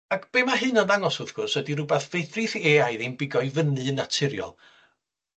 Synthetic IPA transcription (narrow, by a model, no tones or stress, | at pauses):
akʰb̥emaɦɨnɔnðaŋɔsʊðɡ̥ʊrsədirʊbɛθvejθriθeajðejnbɪɡɔjvənɨnatʰɪɾjɔ̰lˠ